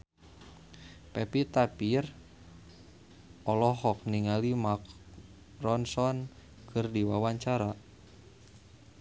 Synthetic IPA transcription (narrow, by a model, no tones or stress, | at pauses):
pɛpit̪apir | ɔlɔɦɔk̚niŋalimak̚ | rɔnsɔn | kʰɨrdiwawaɲt͡ʃaɾa